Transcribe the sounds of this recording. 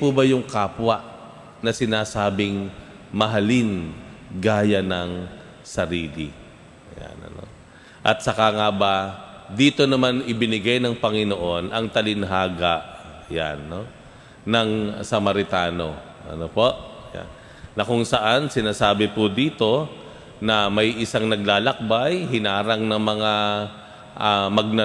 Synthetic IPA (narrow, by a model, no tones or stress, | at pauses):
pubɐjʊŋkaːpwɐʔ | nɐsɪnaːsaːbɪŋ | mɐɦɐlɪnɡaːjɐnɐŋ | sɐɾiːlɪ | ja̰nɐ̰no̰ | ʔɐt̪̚sɐkaŋabad̪iːt̪o̞nɐmanʔɪbɪnɪɡajnɐŋpɐŋɪnoʔo̞nʔɐŋt̪ɐlɪnɦaːɡaʔja̰nːoː | ɐŋsɐmɐɾɪt̪aːno̞ | ʔɐ̰nopo̞ʔja̰nː | ɐkʊŋsɐʔansɪnaːsaːbɪpʊd̪iːt̪o̞ | nɐmɐjʔɪsaŋnɐɡ̚laːlɐk̚bajhɪnaːɾɐŋnɐŋmɐŋa | ʔamɐɡ̚nɐ